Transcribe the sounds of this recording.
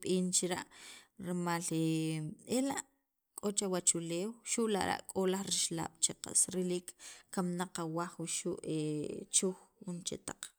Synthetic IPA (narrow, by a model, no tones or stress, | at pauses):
ɓiːnt͡ʃiɾaʔɾimaleelaʔ | kʼot͡ʃawat͡ʃuleːwʃuʔla̰ʔɾa̰ʔkʼolaχɾiʃla̰ːɓ̥t͡ʃeqa̰sɾiliːkːamnaqawaχwuʃuʔet͡ʃuxunt͡ʃḛt̪aq͡χ